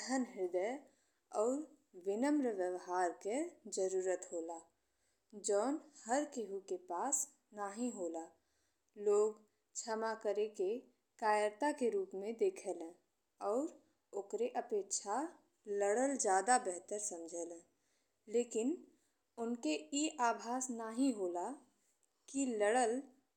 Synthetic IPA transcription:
ɦənɦɪɾd̪əj | ɔːɾʋɪnəmɾəʋjəʋɦaːɾked͡ʒəɾuːɾət̪ɦoːla | d͡ʒɔːnhəɾkeɦukepaːs | naːɦĩɦoːla | loːɡ | t͡ʃʰəmakəɾeke | kaːjəɾt̪akeɾuːpmẽd̪eːkʰəlɛ̃ː | ɔːɾ | oːkɾeʔəpeːkʃʰa | ləɽəld͡ʒjaːd̪abɛɦt̪əɾsə̃md͡ʒʱəlɛ̃ː | leːkɪn | ʊnkeiʔaːbʱaːsnaːɦĩɦoːla | kiləɽəl

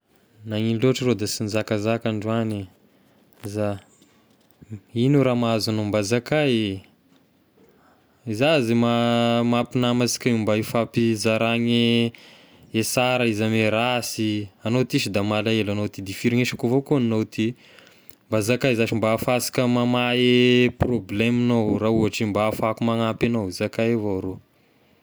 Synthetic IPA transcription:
naŋinloaʈ͡ʂəɾod̪asinzakazakaɳɖ͡ʐuani | za | inuɾamaazanombazakaj | izazimamapinamasi̥kʲaumbaifapizaɾaŋe | esaɾaizameɾasianot̪isid̪amalaelanowt̪id̪ifiɾiŋeʃḁkuvokuninot̪i | mbazakajzaʈ͡ʂimbafasi̥kəmamaeprobleminowrauɦaʈ͡ʂimbafakumaŋapanowizakajevoɾo

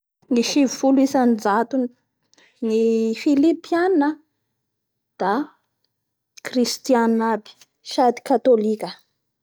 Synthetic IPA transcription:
ŋiʃivifulisand͡zat̪u | nifilipianiə | d̪̥a | krist̪ianabi̥ | ʃad̪i̥kat̪olikʲə

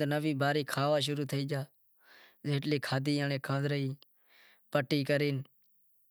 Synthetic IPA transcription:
nəʋiːbaːɾiːkʰaːʋaːʃ̬ʊɾuːt̪ʰəiːd͡ʒaː | zeːʈliːkʰaːd̪iːãːnẽːkʰãːd̪ɾəiː | pəʈːiːkəɾiːn

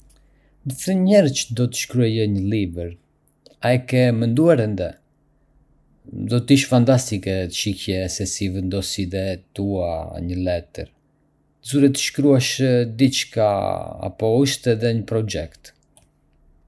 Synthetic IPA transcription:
nəθənɲɛɾt͡ʃəd̪ɔt̪ə̥ʃkɾuɛjɛɲəlivəɾ | aɛkɛmɛnd̪uaɾɛnd̪ɛ | d̪ɔt̪iʃfant̪ast̪ikɛt̪ʃicɛsɛsivɛnd̪ɔsiðɛt̪ua̰ɲəlɛt̪ə̰ɾ | zuɾɛt̪ə̥ʃkɾuaʃəd̪it͡ʃka̰a̰pɔuʃt̪ɛðɛɲəpɾɔd͡ʒɛkt̪

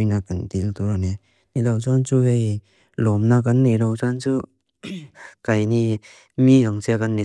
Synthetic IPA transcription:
jnakand̪ilt̪uɾane | nilawt͡ʃant͡ʃuɦej | lɔmnakanːiɾawt͡ʃant͡ʃu | kajni | miaŋsekanːi

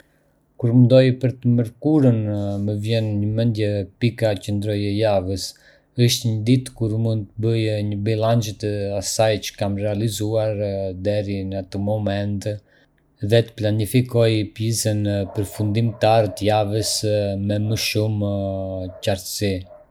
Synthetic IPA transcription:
kuɾmənd̪ɔjpəɾt̪əməɾkuɾənməvjɛnɲəmɛnd̪jɛpikacənd̪ɾɔjəjavəs | əʃt̪ɲəd̪it̪kuɾmund̪t̪əbəjɲəbilant͡ʃət̪asajt͡ʃə̥kamrɛalizuaɾd̪ɛɾinat̪əmɔmɛnt̪ | ðɛt̪ə̥planifikɔjpjisənpəɾfund̪imt̪aɾət̪əjavəsmɛməʃum | caɾt̪si

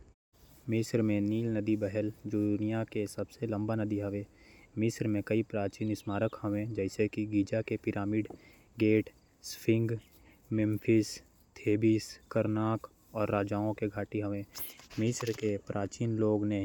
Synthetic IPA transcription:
mɪsɾmẽniːlnəd̪ibɛɦɛld͡ʒoːd̪ʊnɪjakesəbselə̃mbanəd̪iɦɐʋẽmɪsɾmẽkəipɾaːt͡ʃiːnɪsmaːɾəkhəʋẽd͡ʒɛːɪsekiɡiːd͡ʒakepɪɾaːmiɖ | ɡeːʈ | spɪ̃ŋɡ | mɪ̃mpʰɪs | t̪ʰeːbiskəɾnaːk | ɔːɾːaːd͡ʒaːõkeɡʱaːʈiɦɐʋẽːmɪsɾkepɾʔaːt͡ʃiːnloːɡneɦ

